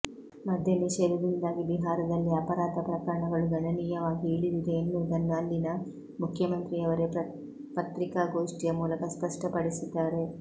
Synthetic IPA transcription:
mɐd̪ʱjɐniʃɐɾud̪ind̪aːɡibiɦaːɾɐd̪ɐlːiɐpɐɾaːt̪ɐpɾɐkɐɾɐɳɐɡɐɭuɡɐnɐniːjɐʋaːɡieːɭid̪id̪e̞ːnːud̪ɐnːaːlːinɐ | mukʰjɐmɐnt̪ɾiɐʋɐɾe̞ | pɐt̪ɾikaːɡoːʂʈijɐmuːlɐkɐspɐʂʈɐpɐɽisud̪ːaːɾe̞

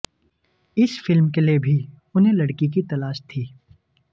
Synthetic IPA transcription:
ɪsfɪlmkeliebʱi | ʊnɦẽlɐɽkik̬it̪ɐlaːʃt̪ʰiː

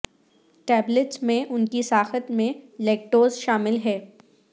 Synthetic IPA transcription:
ʈɛːblɪʈsmẽʔʊnkisaːxət̪mẽleːk̚ʈoːzʃaːmɪlɦɛː

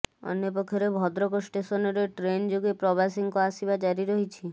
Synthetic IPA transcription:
ɔ̰njep̬ɔkʰːɔɾebʱɔd̪ɾɔkɔsʈesɔnɔɾeʈɾend͡ʒoɡepɾɔbʱasiŋkɔasibad͡ʒaɾiɾɔɦit͡ʃʰi

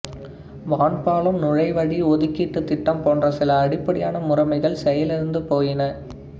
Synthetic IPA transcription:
ʋaːɳpaːlɯmnʊɻɐɪʋɐɽiɔðɯkːiːʈːɯt̪ːɪʈːɐmpoːndrɐsɪlɐːɽɪpːɐɽɪjaːnɐmʊrɐmɐɪɣɐɭsɛjɐlɪɾɯnd̪ɯpoːjɪnɐ

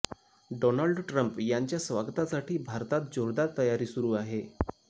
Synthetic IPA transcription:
ɖonəɭɖʈɾəmpjaɲt͡ɕjasʋaɡt̪asaʈiːbʱaɾt̪at̪̚d͡ʑoɾd̪at̪ːəjaɾiːsuɾuːaɦe

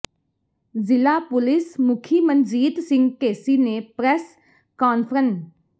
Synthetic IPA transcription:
zɪlaːpʊlɪsmʊkʰiːmənd͡ʒiːd̪sɪ̃ŋɡkeːsiːnepɾɛs | kaːnpʰɾən

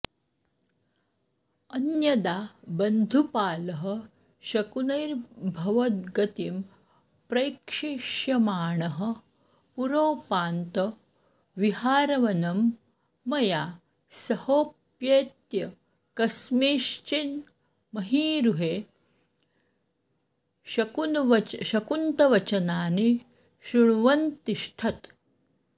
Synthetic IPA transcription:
ɐnjɐd̪aːbɐnd̪ʱupaːlɐɦɐ̆ | ʃɐkunɐjɾbʱɐʋɐt̪̚ɡɐt̪im | pɾɐjkʂiʃjɐmaːɳɐɦɐ̆ | puɾoːpaːnt̪ɐ | ʋiɦaːɾɐʋɐnɐmː | ɐjaː | sɐhoːpjeːt̪jɐ | kɐsmeːʃt͡ʃin | mɐɦiːɾuɦeː | ʃɐkunʋɐʃɐkunt̪ɐʋɐt͡ʃɐnaːni | ʃuɳ̃ʋɐnt̪iʃʈʰɐt̪

